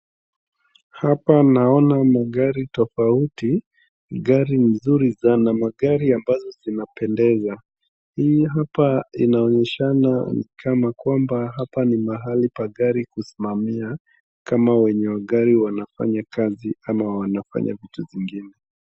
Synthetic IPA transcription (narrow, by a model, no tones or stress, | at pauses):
hapanaɔnamaɠaɾitɔfauti | ɠaɾimnzuɾizanamaɠaɾiambazɔzinapɛndɛza | hiiɦapainaɔɲɛʃananikʰamakwambaɦapanimaɦalipaɠaɾikusimamia | kamawɛɲɛwaɠaɾiwanafa̰ɲakaziamawanafa̰ɲa̰vituviŋɡinɛ